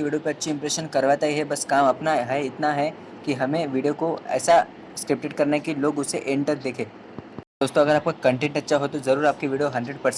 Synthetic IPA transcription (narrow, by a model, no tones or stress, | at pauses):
ʋiːɖijopeɐtːʃʰiɪ̃mpɾeʃənkɐɾʋat̪aiɦɛbɐskaːmɐpnaɦɛɪt̪naɦɛ | kiɦɐmẽʋiːɖijokoɛ̰ːsa | sʈep̚ʈeʈkɐɾnekiloːɡʊseʔẽːɳʈək̚d̪eːkʰẽː | d̪oːst̪õɐɡəɾaːp̚kakɐ̃ɳʈẽɳʈɐtːʃʰaɦot̪ozɐɾuːɾaːp̚kiʋiːɖijoɦɐ̃nɖɾeɖpɐɾsɛ̃